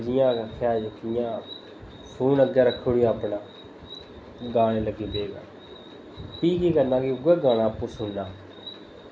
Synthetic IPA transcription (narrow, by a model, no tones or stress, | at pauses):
d͡ʒɪjãːkʰɛːd͡ʒəkʰːɪjãː | pʰuːnəɡeːɾəkʰːoːɽiːaːpnãː | ɡaːɽ̃eːləɡːeːpeːɡa̰ː | piːkiːkəɾnãːkiːʊɡeːɡaːɽ̃ãːpuːsʊnːaː